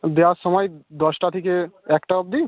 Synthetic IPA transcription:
d̪easɔmɔjd̪ɔsʈat̪ʰikeɛkʈaɔp̚d̪i

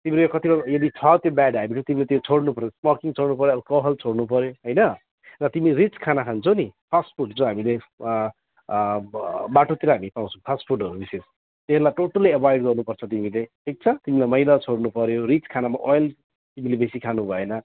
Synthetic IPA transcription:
t̪imiɾojkʌt̪ilʌjʌd̪it͡sʰʌt̪jobaɖɦaminʰot̪imilet̪jot͡sʰoɽnupʌɾjosmʌkiŋt͡sʰoɽnupʌɾjoʌakʌɦʌlt͡sʰoɽnup̬ʌɾjoɦʌjnʌ | rʌt̪imiɾit͡skʰanakʰant͡sʰʌwnipʰasʈpʰuɖd͡zõɦamile | baʈot̪iɾʌɦamipãw̃t͡sʰũpʰasʈpʰuɖʌɾubises | t̪eelajʈoʈʌliʌbʰʱajɖɡʌrnupʌrt͡sʰʌt̪imileʈʰik̚t͡sʰʌt̪imilajmʌjlat͡sʰoɽnupʌɾjorit͡skʰanamaʔojl | t̪imilebesikʰanubʱʌenʌ

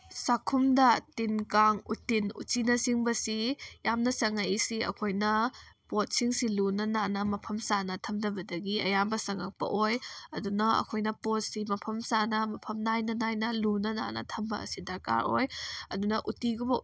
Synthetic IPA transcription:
sakʰumdɐtinkaŋṵtinṵt͡ʃinɐsiŋbɐsijamnɐsɐŋajisiɐ̰kʰojnɐpot̚siŋsilunɐnanɐmɐpʰɐmsanɐtʰɐmdɐbɐdɐɡiɐ̰jambɐsɐŋɐk̚pɐ̰ʔojɐdunɐɐ̰kʰojnɐpot̚simɐpʰɐmsanɐmɐpʰɐmnajnɐnajnɐlunɐna̰nɐ̰tʰɐmbɐɐ̰sidɐɾka̰ɾo̰jɐdunɐʔutiɡubɐ

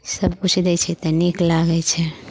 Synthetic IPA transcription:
səbkut͡ʃʰd̪ɛt͡ʃʰɛt̪ɔniklaɡɛt͡ʃʰɛ

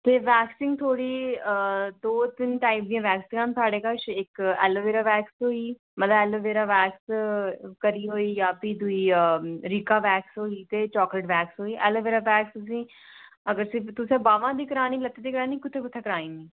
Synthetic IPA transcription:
t̪eːʋɛːksɪ̃ŋɡt̪ʰoːɽiːəd̪oːt̪ɪnʈaːɪp̚d̪ĩjãːʋɛːksɪ̃ŋãːnsʰaːɽeːkəʃɪkɛ̰ːloːʋeːɾaːʋɛːksɦoːiː | mət̪ləbɛːloːʋeːɾaːʋɛːks | kəɾiːɦoːiːjaːpid̪ʊiːəɾikaːʋɛːksɦoːiːt̪eːt͡ʃɔːkləʈʋɛːksɦoːiːʔɛːloːʋeːɾaːbɛːkst̪ʊs̬ĩː | əɡəɾsit̪ʊsẽːbaːʋãːd̪iːkəɾaːniːlət̪ːeːd̪iːkəɾaːniːkʊt̪ʰːeːkʊt̪ʰeːkəɾaːiːmiː

